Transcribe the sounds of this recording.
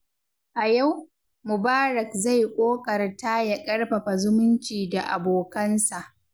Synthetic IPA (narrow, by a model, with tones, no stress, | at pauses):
ʔa˨ja˦˨w | mʊ˨baː˦ɾɐ˨kza˦˨jkʷʼoː˦kʼɐ˨rta˦jɐ˨kʼɐ˦rɸɐ˨ɸa˨zʊ˦mʊ˦nt͡ʃiː˨da˨ʔa˨boː˨kɐ˦nsa˨ʔ